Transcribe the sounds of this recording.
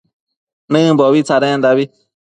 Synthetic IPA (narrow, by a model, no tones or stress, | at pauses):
nɨ̃bɔbit͡saɾɛ̃ndabi